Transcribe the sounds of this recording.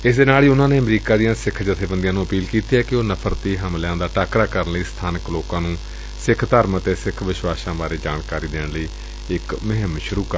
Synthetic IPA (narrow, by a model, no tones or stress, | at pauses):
ɪsd̪eːnaːliːʊnãːneːəmɾiːkaːd̪ɪjãːsɪkʰd͡ʒət̪ʰeːbənd̪ɪjãːnũːəpiːlkiːt̪iːɛːkɪoːnəpʰəɾt̪iːɦəmlãːd̪aːʈaːkɾaːkəɾənləiːst̪ʰaːnəkloːkãːnũː | sɪkʰt̪əːɾmt̪eːsɪkʰʋɪʃwaːsãːbaːɾeːd͡ʒaːɳkaːɾiːd̪eːɳləiː | ɪkmɪɦəmʃʊɾuːkəɾ